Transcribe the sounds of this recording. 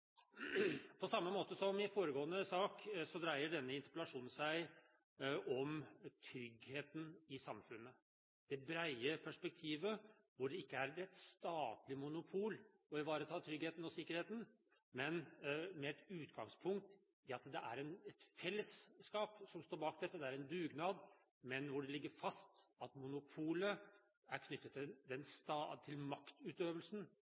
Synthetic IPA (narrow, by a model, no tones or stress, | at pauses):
pʰɔsɑmːəmoːt̪əsɔmɪfoːɾəɡoːənəsɑːksɔd̪ɾæɪəɖɛnːəɪnt̪ə̥pəlɑʂuːnn̩sæɪ | ʔɔmt̪ʰɾʏɡheːt̪n̩ɪsɑmfʉnːə | d̪̥ɛbɾæɪəpʰæʂpɛk̚t̪ʰiːʋə | ʋʊɖɛɪkːəæɾɛt̪st̪ɑːt̪lɪmʊnʊpʰuːl | ɔɪʋɑːɾət̪ʰɑːt̪ʰɾʏɡheːt̪n̩ɔsɪkːəɾheːt̪n̩ | mɛnmɛɛt̪ʉːt̪ɡɑŋspʰʊŋk̚t̪ | ɪɑt̪d̪ɛʔæ̰ɾɛnɛt̪fɛlːəsːkɑːpsɔmst̪oːɾbɑːkd̪ɛt̪ːəd̪ɛæɾɛnd̪ʉːɡnɑːd̪ | mɛnʋʊɖɛlɪɡːəɾfɑst̪ɑt̪mʊnʊpʰuːlə | æɾkʰnʏt̪ːət̪ːɪd̪ɛnst̪ɑt̪ʰːɪlmɑkt̪ʉːt̪øːʋəlsn